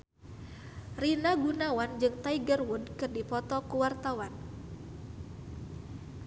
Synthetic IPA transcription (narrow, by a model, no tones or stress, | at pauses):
rinaɡunawand͡ʒɨŋt̪aiɡərwud̚kɨrdipɔt̪ɔkuwart̪awan